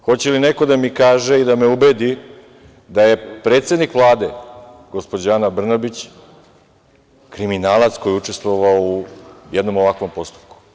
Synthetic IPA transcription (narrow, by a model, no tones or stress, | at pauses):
xo̞t͡ɕelineko̞d̪amikaːʒeid̪ame̞ubed̪i | d̪aje̞pɾet̪sed̪nikʋlˠaːd̪e̞ɡ̥ospod͡ʑanabr̩nabit͡ɕ | kɾiminaːlˠat̪sko̞jiut͡ʂe̞st̪ʋoʋaoujed̪no̞mo̞ʋakʋo̞mpo̞st̪u̥pku̥